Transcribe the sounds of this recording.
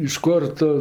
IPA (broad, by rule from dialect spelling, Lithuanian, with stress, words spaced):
ɪʃ ˈkoːr ˈtʊ